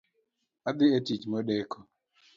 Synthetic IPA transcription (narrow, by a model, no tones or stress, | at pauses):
ad̪ɪetit͡ʃmɔɗɛkʰɔ